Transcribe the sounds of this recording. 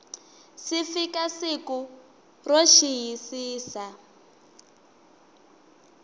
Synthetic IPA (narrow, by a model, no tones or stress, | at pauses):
sifikasiku | roʃiɦisiːsa